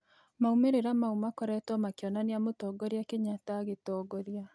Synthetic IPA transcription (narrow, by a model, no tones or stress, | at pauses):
maumeɾeɾamaumakɔɾɛtɔmakjɔnaniamotɔːɡɔɾjakeɲataɣetɔːɡɔɾja